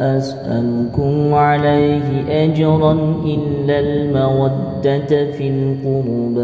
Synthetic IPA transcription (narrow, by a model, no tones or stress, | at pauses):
ʔasʔa̰nkʊmʕalajhɪʔad͡ʒɾˤɑnʔɪlːalmawad̪ːat̪filqʊɾuːb